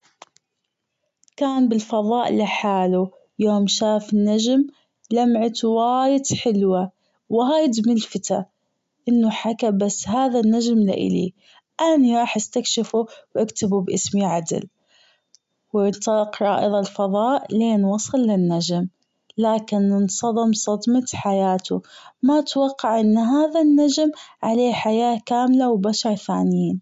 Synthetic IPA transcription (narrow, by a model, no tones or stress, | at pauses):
kaːnbɪlfɑðˤɑːʔlɪħaːlu | joːmʃaːfɪnːad͡ʒm | lamʕɪt̪waːjɪt̪ħɪlwa | wɪɦaːjd̪mɪlfɪt̪a | ʔɪnːʊħakabasːɦaːðanːad͡ʒmlɪ̰ʔɪ̰lḭ | ʔaniɾˤɑːħʔast̪akʃɪfuwʔakt̪ɪbubʔɪsmiʕad̪ɪ̰l | wnt̪ˤɑlɑqɾˤɑ̰ːʔɨðˤɑlfɑðˤɑːʔleːnwɑsˤɨlːɪnːad͡ʒm | laːkɪnɪnsˤɑðˤɨmsˤɑd̪mɑt̪ħajaːt̪umat̪wɑqːɑʕʔɪnːɦaːðanːad͡ʒmʕaleːħajaːkaːmlawbaʃɑɾˤθa̰ːnɪjiːn